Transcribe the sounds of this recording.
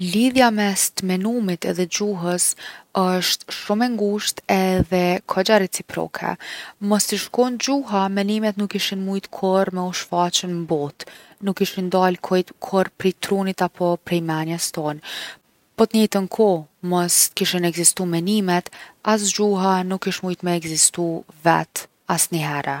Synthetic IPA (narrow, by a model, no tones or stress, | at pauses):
liðjamɛst̪mɛnumit̪ɛ̰ðɛd͡ʑuɦəsəʃt̪ʃumɛŋɡuʃt̪ɛðɛkʰɔd͡ʑaɾɛt͡sipɾɔ̰kʰɛ̰mɔst̪iʃkɔnd͡ʑuɦamɛnimɛt̪nukːiʃinmujt̪kʰɔɾmɛɔʃfat͡ɕənmbɔt̪nukːiʃind̪alkʰɔjt̪kʰɔɾpɾit̪ɾunit̪apʰɔpɾɛjmanjəst̪ɔn | pɔt̪ɲɛt̪ənkʰɔmɔst̪kiʃinɛɡzist̪umɛnimɛt̪as̬d͡ʒuɦanukːiʃmujt̪mɛːɡzist̪uvɛ̰t̪ | asniɦɛɾɛ